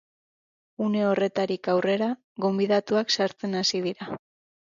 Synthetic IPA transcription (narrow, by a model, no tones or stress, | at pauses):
une̞o̞re̞t̪aɾikawre̞ɾa | ɣo̞mbiðat̪uaksaɾt͡se̞nasiðiɾa